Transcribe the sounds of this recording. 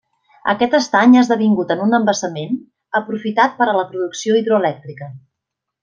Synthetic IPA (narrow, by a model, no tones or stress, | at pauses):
ə̰kɛt̪əst̪aɲezðəβ̞iŋɡut̪ənunəmbəsəmen | əpɾufit̪at̪̚pəɾələpɾuðuksioiðɾuəlɛk̚t̪ɾikə